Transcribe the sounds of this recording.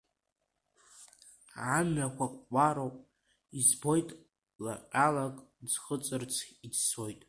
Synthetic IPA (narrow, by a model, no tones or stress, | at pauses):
ʕanakʷʰakʷʼːaɾowpʼ | izbo̞jtʼ | la̰qʲʼalakʼd͡zχət͡sʼɨrt͡sʰʲid͡zso̞jtʼ